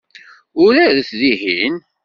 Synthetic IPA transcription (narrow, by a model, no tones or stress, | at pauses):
ʊɾæðəθðiɦin